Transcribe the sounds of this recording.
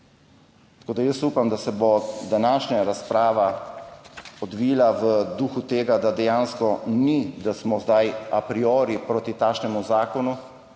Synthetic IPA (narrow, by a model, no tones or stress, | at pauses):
t̪ḁkoːd̪ajəsupamd̪asɛbod̪anaːʃɲaɾaspɾaːʋa | ɔd̪ʋilaʋəd̪uːxut̪eːɡad̪ad̪ɛjaːnskɔnid̪asmɔzd̪ajapɾioːɾipɾoːt̪it̪aːkʃnɛmuzaːkɔnu